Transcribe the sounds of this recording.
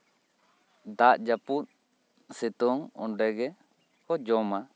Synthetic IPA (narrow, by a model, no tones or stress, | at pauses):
d̪aʔ̚d͡ʒaput̪̚ | sit̪ɔŋɔ̰nɖɛɡɛ | kɔd͡ʒɔma